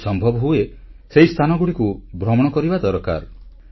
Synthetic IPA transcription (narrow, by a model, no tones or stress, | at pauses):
sɔmbʱɔbɔɦue | seist̪ʰanɔɡuɽikubʱɾɔmɔɽ̃ɔkɔɾibad̪ɔɾɔka̰ɾ